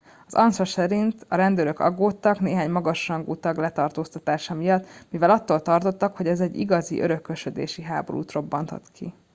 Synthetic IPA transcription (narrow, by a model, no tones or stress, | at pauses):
ɒzɒnsɒsɛɾint̪ɒɾɛnd̪øløkɒ̰ɡːoːt̪ːɒkneːɦaːɲmɒɡɒʃrɒŋɡuːt̪ɒɡlɛt̪ɒrt̪oːst̪ɒt̪aːʃɒmijɒt̪ːmivɛlɒt̪ːoːlt̪ɒrt̪o̞t̪ːɒkhoɟɛzɛɟːḭɡɒzḭʔøɾøkːøʃød̪ḛːʃiɦaːbo̞̰ɾṵːt̪ro̞bːɒnt̪o̰t̪kʰḭ